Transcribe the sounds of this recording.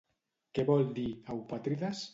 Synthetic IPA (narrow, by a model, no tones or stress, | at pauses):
keβɔld̪iawpat̪ɾiðas